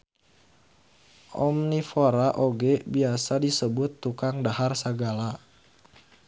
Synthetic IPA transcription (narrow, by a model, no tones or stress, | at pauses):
ʔɔmnifoɾaʔoɡɛbiasadisəbʊt̪ːukaŋdaɦarsəɡala